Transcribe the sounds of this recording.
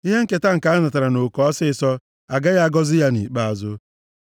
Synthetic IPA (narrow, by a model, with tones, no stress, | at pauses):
i˦ɦe˦ŋ̩˦ke˦ta˦ŋ̩˨ka˨˦a˦na˨ta˨ɾa˨no˨kɔ˦sɪ˦sɔ˦ | a˨ɡa˦ja˦ɡɔ˦zɪ˦ja˦nḭ˨k͡pa˦a˨zʊ˦